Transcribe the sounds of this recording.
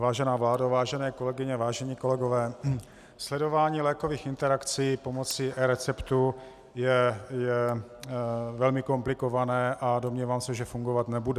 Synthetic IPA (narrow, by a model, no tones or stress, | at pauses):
vaːʒɛnaːvlaːdavaːʒɛnɛːko̞lɛɡɪɲɛvaːʒɛɲiːko̞lɛɡo̞vɛː | slɛdo̞vaːɲiːlɛːkoviːxɪnt̪ɛɾakt͡sijːpo̞mot͡sɪʔɛɾɛt͡sɛpt̪u | jɛjɛ | vɛlmɪko̞mplɪko̞vanɛːʔado̞mɲiːvaːmsɛʒɛfuŋɡovat̪nɛbudɛ